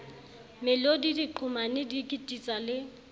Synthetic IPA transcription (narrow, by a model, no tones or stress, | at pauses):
mɪlodidiǃʰʊmanɪdikʼitʼit͡sʼalɪ